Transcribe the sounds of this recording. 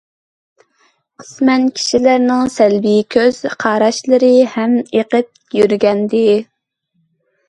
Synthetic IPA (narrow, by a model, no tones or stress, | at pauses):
qʰə̥smɛnkʲʰi̥ʃilæɾnɪŋsɛlvikʲʰøzz̥qʰɑːɾɑʃlˠɨɾɨhɛmeqəp̚jyɾɡʲɛnd̪ɪ